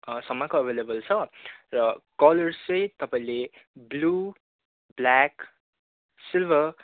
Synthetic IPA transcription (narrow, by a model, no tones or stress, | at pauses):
sʌmːakoʌbʱelebʌlt͡sʰʌrʌkʌlʌrt͡sʌ̃jt̪ʌpaĩle | blu | blak | silbʱʌ